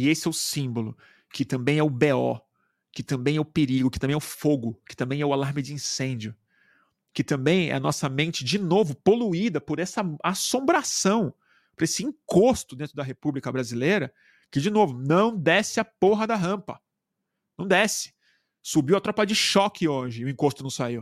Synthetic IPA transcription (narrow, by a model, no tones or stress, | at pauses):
ɪesɪɛʊsĩbolʊ | kɪt̪ɐ̃mbẽj̃ɛʊbeɔ̰ | kɪt̪ɐ̃mbẽj̃ɛʊpeɾiɡʊkɪt̪ɐ̃bẽɛʊfoɡʊkɪ̥t̪ɐ̃mbẽj̃ɛʊalaɾmɪd͡ʒɪĩsẽd͡ʒʊ | kɪt̪ɐ̃mbẽj̃ɛ̰ɐnɔsɐmẽnt͡ʃɪd͡ʒɪnovʊpoluid̪ɐpoɾɛsɐasõmbɾasɐ̃w̃ | poɾesɪĩŋkost̪ʊd̪ẽnt̪ɾʊd̪ɐɦepublikɐbɾazilejɾɐ | kɪd͡ʒɪnovʊnɐ̃w̃d̪ɛsɪɐpoɦɐd̪ɐɦɐ̃mpɐ | nɐ̃w̃d̪ɛsɪ̥ | subiwɐt̪ɾɔpɐd͡ʒɪʃɔkɪoʒɪʊĩkost̪ʊnɐ̃w̃saiw